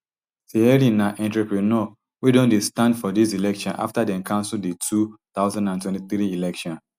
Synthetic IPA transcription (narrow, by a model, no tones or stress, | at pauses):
seɛɾĩnaʔɛ̃ntɹopɹinɔ | widõndestãndfɔdisilɛkʃɔ̃nʔa̰ftadɛ̃mkʰãnsuldetʰut̪aʊzãndãntwɛ̃ntiθɾiilɛkʃɔ̃n